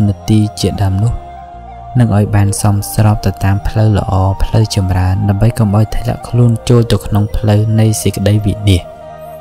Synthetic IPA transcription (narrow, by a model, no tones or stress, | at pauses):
nit̪iːt͡ɕiəɗaəmnʊ̆əh | nɨŋʔaɔjɓaːnsɑmsrɑːp̚t̪ɨwt̪aːmpʰləwlə̰̆ʔɑːpʰləwt͡ɕɑmraənɗaəmɓəjkɑmʔaɔjt̪ʰlɛ̆əʔkʰluənt͡ɕoːlt̪ɨəkʰnoŋpʰləwnɨjsikːə̆ɗəjʋiniəh